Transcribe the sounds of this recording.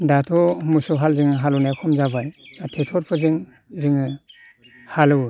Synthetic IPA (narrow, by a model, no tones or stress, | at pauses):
datʰɔmusɔɦalziŋɯɦalɔnajkʰɔmzabajatʰetʰɔɾpʰɯziŋ | ziŋɯ | halɯ